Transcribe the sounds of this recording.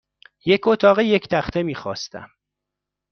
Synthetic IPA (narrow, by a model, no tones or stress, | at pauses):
jecʰot̪ʰɒːɣeject̪ʰæχt̪ʰe̞miːxɒ̰ːst̪æ̰m